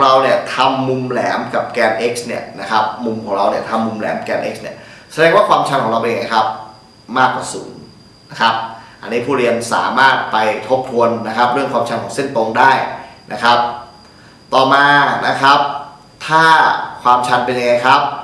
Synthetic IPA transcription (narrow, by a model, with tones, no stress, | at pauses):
ɾa˧wni˥˩ət̪ʰa˧mːu˧mlɛː˩˦mka˨˩p̚kɛː˧nʔe˦˥k̚sni˦˥˩əna˦˥kʰa˦˥p̚mu˧mkʰɔː˩˦ŋɾa˧wni˥˩ɐt̪ʰa˧mːu˧mlɛ̰ː˩˦m˩kɛː˧nʔe˦˥k̚sni˥˩ɐsa˧dɛː˧ŋwaː˥˩kʰwaː˧mt͡ɕʰa˧nkʰɔ˩˦ɾa˧wpe˧nja˧ŋa˧jkʰa˦˥p̚ | maː˥˩k̚waː˨˩suː˩˦ŋ | na˦˥kʰa˦˥p̚ʔa˧nːiː˦˥pʰuː˥˩ɾi˧ənsa̰ː˩˦maː˥˩t̪̚pa˧jt̪ʰo˦˥p̚t̪ʰu˧ənːa˦˥kʰa˦˥p̚ɾɯ˥˩əŋkwaː˧mt͡ɕʰa˧nkʰɔː˩˦se˥˩nt̪o˧ŋdaː˥˩jnʔa̰˦˥kʰa˦˥p̚ | t̪ɔː˨˩maː˧na˦˥kʰa˦˥p̚ | t̪ʰaː˥˩kʰwaː˧mt͡ɕʰa˧npe˧nja˧ŋːa˧jkʰa˦˥p̚